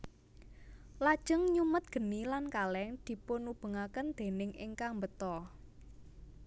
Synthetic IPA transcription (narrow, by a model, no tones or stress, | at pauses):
lad̥ʒ̥ə̤ŋɲumət̪̚ɡ̥ə̤nilankalɛŋd̪̥i̤ponub̥ə̤ŋakənd̪̥e̤nɪŋɪ̰ŋkaŋmbət̪ɔ